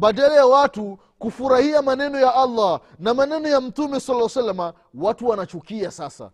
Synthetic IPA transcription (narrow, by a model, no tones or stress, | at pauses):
baɗalajawatu | kufuɾahiamanɛnɔjaʔalːa | namanɛnɔjam̩tumɛsalːwasalːama | watuwanat͡ʃukiasasa̰